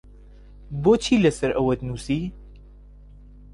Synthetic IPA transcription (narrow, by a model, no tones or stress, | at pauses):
boːt͡ʃʰilɐsɐɾɐwɐt̪nusiː